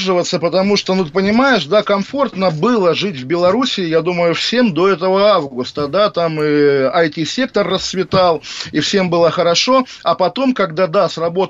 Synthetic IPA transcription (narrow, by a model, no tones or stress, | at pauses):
ʐɨvət̪sːəpət̪ɐmuʂt̪onut̪ɨpənʲɪmajɪʂd̪akɐmfo̞rt̪nəbɨlˠəʐɨtʲvbʲɪlˠɐɾusʲɪːjad̪uməjʊfsʲe̞md̪o̞ɛt̪əvəavɡɡʊst̪əd̪at̪amɨɐjtʲisʲe̞k̚t̪ərːəst̪svʲɪt̪alˠifsʲe̞mbɨlˠəxəɾɐʂo̞ | ɐpɐt̪o̞mkɐɡd̪ad̪asrɐbo̞t̪